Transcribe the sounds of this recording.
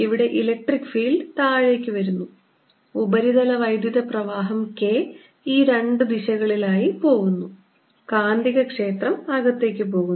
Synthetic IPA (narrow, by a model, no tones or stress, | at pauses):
iʋiɽe̞ʔilɐk̚ʈrikːɨ̥fiːlɖɨt̪aːɻekʲːɨʋɐɾunːu | ubɐɾiðɐlɐʋɐjd̪juðɐprɐʋaːɦɐmke̞ː | iːɾe̞ɳɖɨd̪iɕɐɣɐɭilaːjipo̞ːɣunːu | kaːnd̪iɣɐkʂe̞ːt̪rɐmaɣɐt̪ːe̞ːkʲːɨp̬o̞ːɣunː